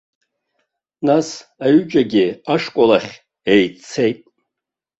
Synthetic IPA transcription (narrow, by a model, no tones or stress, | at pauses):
nasaɥʏd͡ʒʼaɡʲɪaʂkʷʼalaχʲ | ejt͡sʰe̞jtʼ